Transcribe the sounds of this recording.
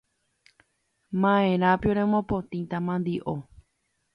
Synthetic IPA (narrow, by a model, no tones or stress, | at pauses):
mãẽɾãpioɾẽmõpõt̪ĩt̪amãnd̪iʔo